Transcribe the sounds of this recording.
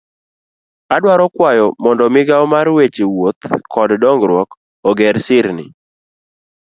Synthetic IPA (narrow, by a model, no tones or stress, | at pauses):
adwaɾɔkwajɔmɔndɔmɪɡaɔmarwet͡ʃiwot̪kʰɔddɔŋɡɾwɔk | ɔɡɛɾsɪɾnɪ̰